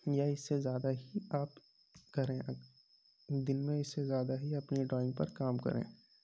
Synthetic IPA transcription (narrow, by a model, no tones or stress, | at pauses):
jaɪsːezjaːd̪aɦiaːp | kɐɾẽːɐ | d̪ɪnmẽɪsːezjaːd̪aɦiɐpniɖɾɔːɪ̃ŋɡ̚pɐ̰ɾkaːmkɐ̰ɾʔḛ̃ː